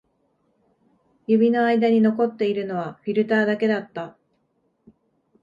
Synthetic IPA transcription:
jɯ̟bʲino̞aid̪aɲ̟ino̞ko̞t̪ːe̞iɾɯ̟no̞β̞aɸʲiɾɯ̟t̪aːd̪ake̞d̪at̪ːa

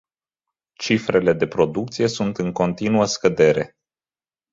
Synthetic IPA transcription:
t͡ʃifɾe̞le̞d̪e̞pɾo̞d̪uk̚t̪sije̞sunt̪ɨŋko̞nt̪inuəskəd̪e̞ɾe̞

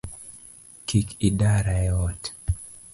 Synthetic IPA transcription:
kʰikidaɾaɛɔt

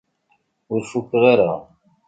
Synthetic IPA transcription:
ʊɾfukːʁaɾa

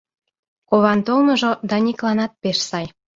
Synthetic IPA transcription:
koβɑnt̪olmŏʒod̪ɑnʲiklɑnɑt̪̚peʃsɑj

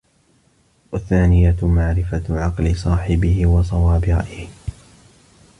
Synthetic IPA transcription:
waθːaːnɪjamaʕɾɪfaʕɑqlɪsˤɑːħɪbɪhɪwɑsˤɑwaːbɪʔɪh

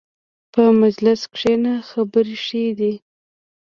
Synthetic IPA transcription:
pəmad͡ʒlɪskʂenaxabəɾeʂed̪i

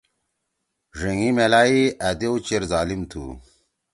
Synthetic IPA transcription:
ʐiŋimelaːiɐd̪eut͡ɕeɾzaːlimt̪ʰṵ

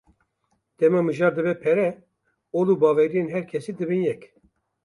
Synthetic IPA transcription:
d̪̥ɛmɑːmɨʒɑːɾd̪ɨbɛpʰɛɾɛ | oːluːbɑːvɛɾijenɦɛɾkʰɛsiːd̪ɨbɨnjɛk

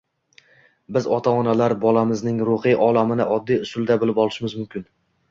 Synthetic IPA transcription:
bɪzɒt̪ʰaɒnalaɾbɒlˠamɪznɪŋɾoqijʔɒlˠamɪnɪʔɒd̪ːijʊsʊlˠd̪abɪlɪpɒlˠɪʃmɪzmʊmkʲʰɪn

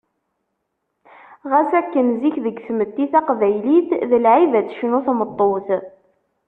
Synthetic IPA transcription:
ʁæsækːənziçðəɡθmət̪ːiθæqvæjliθðəlʕivæt͡sːʃnʊθmət̪ˤːoθ

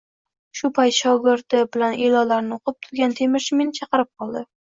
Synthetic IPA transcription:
ʃʊpʰajt̪ʃɒwɡʲɪɾd̪ɪbɪlanʔelɒlaɾnɪoqʰɨp̚t̪ʰʊɾɡʲant̪ʰe̞mɪɾʃɪmenɪt͡ʃʰɑqɨɾɪp̚qʰɒlˠd̪ɪ

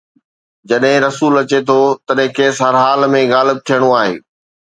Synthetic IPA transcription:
d͡ʑɐɗɦɪ̃ɾɐsuːlɐt͡ɕet̪ʰot̪ɐɗɦɪ̃keːsɦɐɾɦaːlmẽɣaːlɪb̚t̪ʰijəɽ̃oaːɦḛː

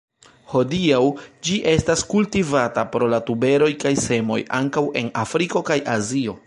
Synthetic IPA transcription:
ho̞diawd͡ʒiʔe̞staskultivatapɾo̞latube̞ɾo̞jkajse̞mo̞̰jaŋkawe̞nafɾiko̞kajʔazio̞

